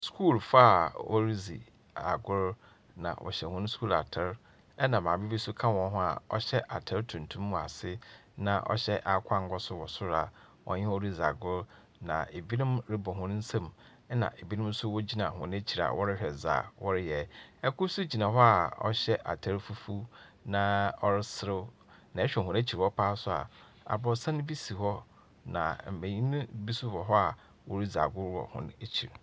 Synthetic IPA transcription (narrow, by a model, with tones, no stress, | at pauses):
skʰuː˦˨lfa˦˨wʔɔ̰˦ɾi˦zḭ˨ | a˨ɡʊ˦ɾ | nã̰˨wʔɔ̰˨ɕɛ˨hʊ̃˦nʊ̃˦skʰuː˦la̰˨tʰɪ˦ɾ | ɛ˦nã˨mãː˨bi˦bi˦sʊ˦kʰã˦wɔ̃˦n˦ɦʊ̃˦a̰˨ɔ̰˦ɕɛ˦ʔa̰˨tʰɛ˦ɾtʰũ˨n˨tʰũ˦mː˦ʊ̃˨a̰˨sɪ˦nã˨ʔɔ̰˦ɕɛ˦ʔa˨kʷʰa˦ŋ˦ɡʷɔ˦sʊ˦wɔ˨sʊ˦ɾa̰˨ | wɔ̰̃˨˦ɲɪ̃˦o˦ɾi˦za̰˨ɡʊ˦ɾ | nã̰˨e˨bi˦nʊ̃˦mɾɪ˦bɔ˨ɦʊ̃˦ñ˦n̩˦sã˦˨m˦ | nã̰˨ʔe˨bi˦nɪ̃˦m˦sʊ˦wɔ˦d͡ʑi˦nã˨hʊ̃˨n˦e˦t͡ɕʰi˨ɾa̰˨wʔɔ˦ɾɪ˦ɕᶣɛ˨za̰ː˨wɔ˦ɾɪ˦jɛ˨ɛ˦kʰʊ˦sʊ˦d͡ʑi˨nã˨ɦɔ˦a˨ɔ̰˦ɕɛ˦ʔa̰˨tʰa˦ɾfu˦fu˦nã˨ɔ˦ɾɪ˦sɪ˦ɾɪ˦ | nã˨ɛ˦ɕᶣɛ˨ɦʊ̃˨˦e˦t͡ɕʰi˨hɔ˦pʰaː˦sʊ˦a̰˨ | a̰˨bɔ˨sã˦nʊ̃˦bi˦si˨ɦɔ˦ | nã̰˨m̩˨bẽ˨ɲĩ˦nʊ̃˦bi˦su˦bɔ˨ɦɔ˦a˨ | wɔ˦ɾi˦za̰˨ɡʊ˦ɾwɔ̰˨hʊ̰̃˦ne˨t͡ɕʰi˨ɾ